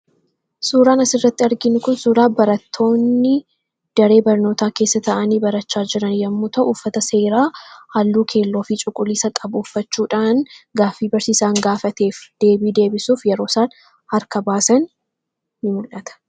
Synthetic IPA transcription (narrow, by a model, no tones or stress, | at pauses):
suːɾaːnɐsɪrːɐt̪ːɪɐɾɡɪnʊkʊnsuːɾaːbɐɾɐt̪ʰːo̞ːnːɪ | d̪̥ɐɾe̞ːbɐɾno̞ːt̪aːke̞ːsːɐt̪ɐʔɐniːbɐɾɐt͡ʃːaːd͡ʒɪɾɐnjɐmːuːt̪ʰɐʔːfːɐt̪ɐse̞ːɾaːhaːlːuːkʰe̞ːlːo̞ːfit͡ʃʼʊkʼʊliːsɐkʼɐbʊːfːɐt͡ʃːuːᶑaːnɡaːfːiːbɐɾsiːsaːŋɡaːfɐt̪e̞ːfd̪̥e̞ːbiːd̪e̞ːbɪsuːfjɛɾo̞ːsaːn | hɐɾkɐbaːsɐn | nɪmʊlʔɐt̪ɐ̥